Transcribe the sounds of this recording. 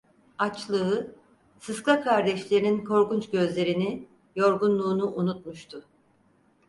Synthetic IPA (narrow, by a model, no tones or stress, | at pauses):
at͡ʃlˠɯɯ | sɯskˠakʰaɾd̪ɛʃlʲeɾininkʰo̞ɾkunt͡ʃɟø̞zlʲe̞ɾini | jo̞ɾɡunlˠuːnuʔunut̪̚muʃt̪ʰʊ